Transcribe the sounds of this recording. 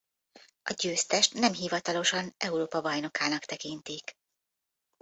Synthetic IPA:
ɒɟøːst̪ɛʃt̪nɛmɦivɒt̪ɒlo̞ʃɒnɛuɾoːpɒbɒjno̞kaːnɒkt̪ɛkint̪ik

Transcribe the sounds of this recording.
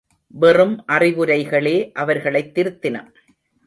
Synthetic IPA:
ʋɛrɯmʔɐrɪʋɯɾɐɪɣɐɭeːʔɐʋɐɾɣɐɭɐɪt̪ːɪɾɯt̪ːɪnɐm

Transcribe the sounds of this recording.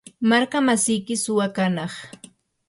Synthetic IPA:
maɾkamasɪjkɪsʊwakanɑχ

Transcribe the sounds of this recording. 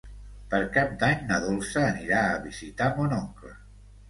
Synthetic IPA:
pəɾkap̚d̪aɲnəðolˠsəːniɾaəβizit̪amonɔŋklə

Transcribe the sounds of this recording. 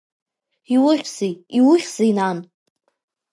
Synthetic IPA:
iwʊχʲz̥ijiwʊχʲz̥ijnan

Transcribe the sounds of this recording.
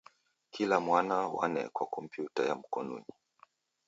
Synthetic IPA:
kʰilamwanawa̰nɛ̰kwakɔm̩pjutajam̩kɔnṵɲi

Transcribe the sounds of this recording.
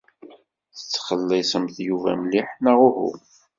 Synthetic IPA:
θə̥t͡sːχəlːisəmθjuvæ̰mliħnæʁʊhṵ

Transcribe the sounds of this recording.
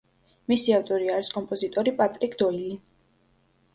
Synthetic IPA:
misiaft̪ʼɔɾiaɾiskʼɔmpʼɔzit̪ʼɔɾipʼat̪ʼɾikʰd̪ɔili

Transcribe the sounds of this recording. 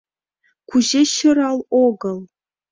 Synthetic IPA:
kʰuʑeɕɤ̆ɾɑlˠoɡɤ̆lˠ

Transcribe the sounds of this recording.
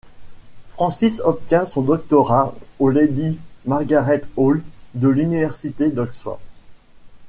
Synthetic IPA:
fχɑ̃sisɔp̚t̪jɛ̃sɔ̃d̪ɔk̚t̪ɔʁaoled̪imaʁɡʲaʁɛt̪old̪əlynivɛʁsit̪ed̪ɔkswa̰

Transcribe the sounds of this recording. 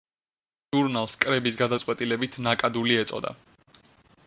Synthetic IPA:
ʒuɾnalˠskʼɾɛbisɡad̪at̪sʼwɛt̪ʼilɛbit̪ʰnakʼad̪uliɛt̪sʼɔ̰d̪a̰

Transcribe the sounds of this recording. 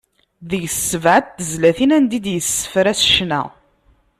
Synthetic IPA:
ðəjsːəvʕət̪̚θəzlæθinænd̪id̪jəsːə̥fɾæsʃnæ̰

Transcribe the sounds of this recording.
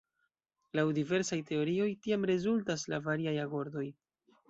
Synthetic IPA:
lawdive̞ɾsajte̞o̞ɾio̞jtiamɾe̞zultas̬lavaɾiajako̞ɾdo̞j

